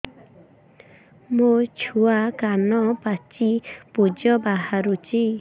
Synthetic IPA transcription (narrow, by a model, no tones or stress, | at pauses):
mut͡ʃʰuakanɔpat͡ʃipud͡ʒɔbaɦaɾut͡ʃi